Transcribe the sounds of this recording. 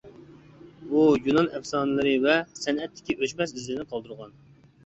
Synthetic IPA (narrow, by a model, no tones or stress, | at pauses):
bujunɑnɛfsɑːnɨlˠɨɾɨvɛsɛnɛt̪ːɪ̥kʲiʔøt͡ʃmɛs̬izlnɪqʰɑlˠd̪ɨɾʁɑn